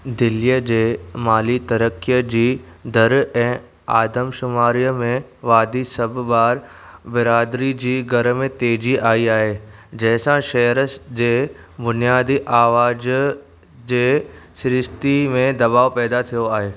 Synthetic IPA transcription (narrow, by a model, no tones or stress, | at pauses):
d̪ɪlijəd͡ʑeːmaːlit̪ɐɾəkːijəd͡ʑiːd̪ʱɐɾɛ̃ː | aːd̪əmʃʊmaːɾijəmẽʋaːd̪isɐbʱbaːɾbɪɾaːd̪ɾid͡ʑiːɡʱɐɾmẽt̪eːd͡ʑiaːiaːɦed͡ʑɛɦɪsãʃɛːɾəsd͡ʑeː | bʊnijaːd̪iʔaːʋaːd͡ʑ | d͡ʑeːsɪɾɪst̪imẽd̪ɐbaːopɛːd̪at̪ʰijoaːɦeː